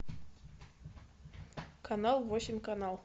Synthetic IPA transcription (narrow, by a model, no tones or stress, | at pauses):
kʰanɑlˠvosʲɪmʲkanɑlˠ